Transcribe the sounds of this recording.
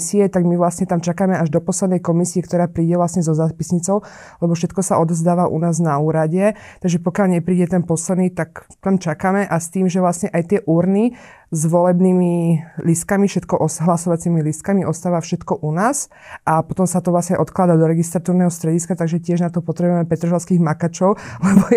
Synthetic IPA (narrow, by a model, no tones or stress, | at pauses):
siɛt̪aɡmiʋlasɲɛt̪amt͡ʃakaːmɛaʒd̪ɔpɔslɛd̪nɛjkɔmisiɛkt̪ɔɾaːpɾiːɟɛʋlasɲɛzɔzaːpisɲit͡sɔʊ | lɛbɔfʃɛt̪kɔsaʔɔd̪ɔvzd̪aːʋaʔṵnaːznauːɾaɟɛ | t̪aɡʒɛpɔkjalɲɛpɾiːɟɛt̪ɛnpɔslɛd̪niːt̪ak | t̪amt͡ʃakamɛʔast̪iːmʒɛʋlasɲɛʔajt̪ɪɛʔuːɾni | zʋɔlɛbniːmilist̪̚kamifʃɛt̪kɔʔɔsɦlasɔʋat͡similist̪̚kamiʔɔst̪aːʋafʃɛt̪kɔʔunaːs | ʔapɔt̪ɔmsat̪ɔʋlasɲɛʔɔt̪klad̪ad̪ɔɾɛɡist̪ɾat̪uːɾnɛɦɔst̪ɾɛɟiskat̪aɡʒɛcɪɛʒnat̪ɔpɔt̪ɾɛbujɛmɛpɛt̪ɾɔʒaʊskiːɣmakat͡ʃɔʊlɛbɔ